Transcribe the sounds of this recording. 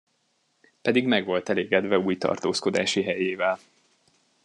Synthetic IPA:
pɛd̪iɡmɛɡʋo̞lt̪ɛleːɡɛd̪vɛuːjt̪ɒ̰rt̪oːsko̞d̪a̰ːʃiɦɛjeːvɛl

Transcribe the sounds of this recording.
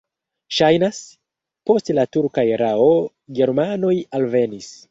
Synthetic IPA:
ʃajnas | po̞stlatuɾkajɾao | ɡe̞ɾmano̞jalve̞nis

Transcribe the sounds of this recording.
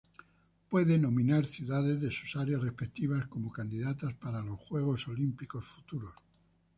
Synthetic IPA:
pwe̞ðenõ̞mĩnaɾθjuðaðe̞zðe̞su̥saɾjasre̞spek̚t̪iβ̞asko̞mo̞kand̪iðat̪aspaɾalo̞sxwe̞ɣ̞o̞so̞limpiko̞sfu̥t̪uɾo̞s

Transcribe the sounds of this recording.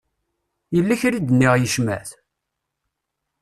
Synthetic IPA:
jəlːæçɾid̪nːiʁjəʃmæ̰θ

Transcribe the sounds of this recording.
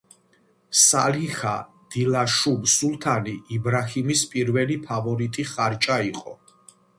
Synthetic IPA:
saliχa | d̪̥ilaʃumsulˠt̪ʰaniʔːbɾahimispʼiɾvɛlipʰavɔɾit̪ʼiχaɾt͡ʃʼaiqʼɔ

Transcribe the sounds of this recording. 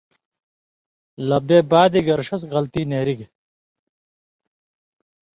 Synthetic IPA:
lɐbeːbaːd̪iɡɐɾʂɐsɣɐlt̪iːneːɾiɡ

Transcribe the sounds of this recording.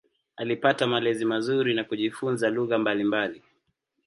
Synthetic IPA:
alipatamalɛzimazuɾinakuʄifunzaluɣambalimbali

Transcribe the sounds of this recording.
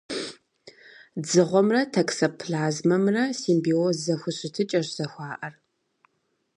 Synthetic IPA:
d͡zɨʁʷɔmrɐtʰɐksɐpʰɮaːzmɐmrɐsiːmbiozɐxʷʊɕʼɪtʰɨt͡ʃʼɐɕz̥ɐxʷɑːʔɐr

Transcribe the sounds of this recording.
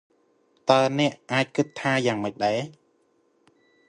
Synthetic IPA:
t̪aənɛ̆əʔʔaːc̚kɨt̪ʰːaːjaːŋməc̚ɗaɛ

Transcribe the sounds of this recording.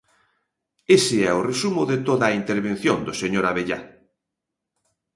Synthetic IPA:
esɪɛʊresumʊðet̪oðaint̪eɾβen̟θjond̪oseɲoɾaβeʎa̰

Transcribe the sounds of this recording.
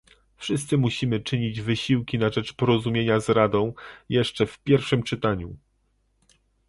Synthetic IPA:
fʂɘst̪sɘmuɕimɘt͡ʂɘɲid͡ʑvɘɕiwkʲinaʐɛt͡ʂpɔɾɔzumʲjeɲazɾad̪ɔ̃w̃jɛʂt͡ʂɛfpʲjɛɾfʂɘmt͡ʂɘt̪aɲu

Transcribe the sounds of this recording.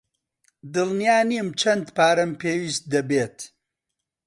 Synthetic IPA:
d̪ɨlnijaːnimt͡ʃʰɐnd̪paːɾɐmpʰeːwiːst̪̚d̪ɐbeːt̪

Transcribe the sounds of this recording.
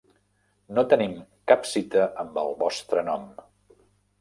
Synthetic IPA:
not̪ənimkapsit̪əʔəmbəlˠβɔst̪ɾənɔm

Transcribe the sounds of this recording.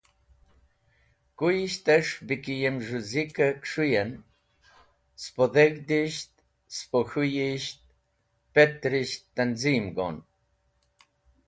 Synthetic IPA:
kujiʃt̪ɛʂbikijɛmʒuzikəkʂujɛn | spɔðɛɣd̪iʃt̪̚ | spɔxujiʃt̪̚ | pɛt̪ɾiʃt̪ːanzimɡɔ̰n

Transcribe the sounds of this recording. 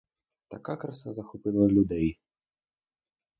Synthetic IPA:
t̪a̰kakɾasazɐxupɨlˠɐlʲud̪ɛj

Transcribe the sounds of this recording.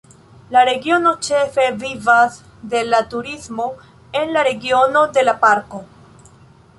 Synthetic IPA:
laɾe̞ɡio̞no̞t͡ʃe̞fe̞vivas | de̞latuɾismo̞ | enlaɾe̞ɡio̞no̞de̞lapaɾko̞

